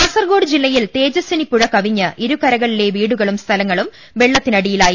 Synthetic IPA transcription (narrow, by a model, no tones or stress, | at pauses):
pɐsɐrɡoːɽɨd͡ʑilːɐjilt̪eːd͡ʑɐsɐnikːuɻɐkːɐʋiɲːɐʔiɾukɐɾɐɣɐɭile̞ʋiːɽuɣɐɭumst̪ʰɐlɐŋːɐɭum | ʋe̞ɭːɐt̪ːinɐɽijilaːj